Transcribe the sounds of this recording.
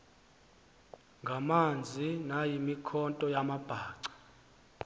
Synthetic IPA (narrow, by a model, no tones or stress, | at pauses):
ŋɡʱamand͡zʱinajimikʰɔntʼɔjamab̥ʱaːǀḁ